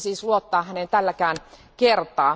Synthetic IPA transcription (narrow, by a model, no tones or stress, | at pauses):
siːsluot̪ːɑːhænent̪ælːækæːn | kert̪ˑɑː